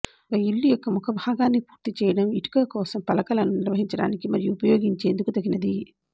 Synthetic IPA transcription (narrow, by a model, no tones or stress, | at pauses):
ɡɐilːijɔkːɐmɔkʰɐbʱaːɡaːnːipu̥ːɾt̪it͡ʃɛːjɐɽɐmiʈi̥kɐkɔːsɐmpɐlɐkɐlɐnːuniɾʋɐɦiɲt͡ʃɐɽa̰ːnikimɐɾijuːpɐjoːɡiɲt͡ʃe̞ːnd̪ukut̪ɐɡinɐd̪i